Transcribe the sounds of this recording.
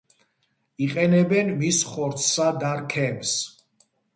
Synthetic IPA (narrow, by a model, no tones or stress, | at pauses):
iqʼɛnɛbɛnmisχɔɾt̪sʰsad̪aɾkʰɛms